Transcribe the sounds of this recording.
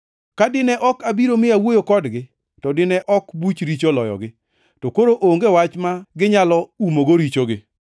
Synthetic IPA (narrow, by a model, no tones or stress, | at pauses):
kadɪnɛʔɔkabiɾomɪawojokɔdɡɪ | tɔdɪnɛʔɔkbut͡ʃɾit͡ʃolɔ̰jɔ̰ɡɪ | tɔkoɾoʔoŋɡewat͡ʃmaɡɪɲalɔumoɡoɾit͡ʃoɡɪ